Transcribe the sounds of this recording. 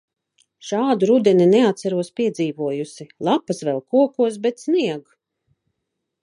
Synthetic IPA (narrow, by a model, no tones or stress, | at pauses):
ʃaːd̪uɾud̪ɛninɛat̪saɾuɔspʲiɛd̪ziːvuɔjusilˠapasvɛlˠkuɔkuɔsbɛt̪sniɛɡ